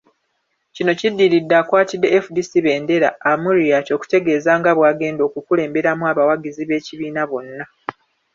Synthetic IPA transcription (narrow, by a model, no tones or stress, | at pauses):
cino̞cidːiɾidːaːkwaːtidːe̞efudisiβe̞ːnde̞ɾa̰ːmuɾijato̞ːku̥te̞ɡe̞ːzaːŋɡaβwaːɡe̞ːndo̞ːkukule̞ːmbe̞ɾamuaβawaɡiziβe̞ːciβiːnaβo̞nːa